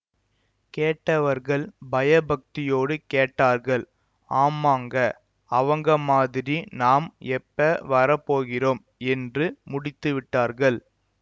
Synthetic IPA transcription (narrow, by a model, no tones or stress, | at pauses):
keːʈːɐʋɐɾɣɐɭbɐjɐbɐk̚t̪ɪjoːɽɯkeːʈːaːɾɣɐɭ | aːmaːŋɡɐ | ɐʋɐŋɡɐmaːðɪɾinaːmɛpːɐʋɐɾɐpːoːɣɪroːm | ɛndrɯmʊɽɪt̪ːɯʋɪʈːaːɾɣɐɭ